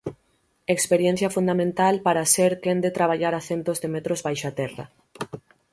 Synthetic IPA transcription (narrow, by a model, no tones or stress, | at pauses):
ekspeɾjɛn̟θjɐfund̪amẽnt̪alpaɾaseɾkend̪et̪ɾaβ̞aʎaɾaθent̪ozðemɛt̪ɾozβajʃat̪ɛrɐ̰